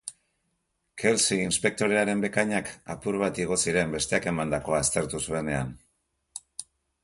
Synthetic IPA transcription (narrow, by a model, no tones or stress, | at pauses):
kʰe̞lsiinspe̞k̚t̪o̞ɾe̞aɾe̞mbe̞kajɲaka̰puɾβat̪iɣ̞o̞siɾe̞mbe̞st̪eake̞mand̪ako̞ast̪e̞ɾt̪usue̞ne̞an